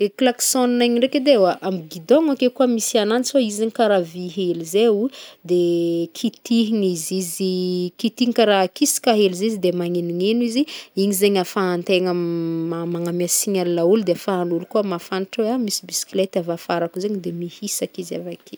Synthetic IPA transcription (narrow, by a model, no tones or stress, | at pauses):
eklaksoninaɲiɳɖ͡ʐeked̪ewaʔamiɡid̪oŋakekuamisiananisoizaɲikaɾaviɦelizeud̪ekʰit̪iɦiŋizizikit̪iŋkaɾakisi̥kaɦelizizid̪emaŋeniɲeniziiɲizeɲafaːnt̪eŋəamaŋamasiɲalinaulud̪eafaːnulukuamafaniʈ͡ʂoamisibisi̥klet̪avafaɾakuzeɲid̪emihisakiza̰vakʰe